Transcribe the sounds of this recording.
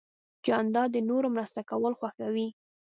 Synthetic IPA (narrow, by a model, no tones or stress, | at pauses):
d͡ʒɑnd̪ɑd̪ənoɾomɾast̪akawəlxwaxawi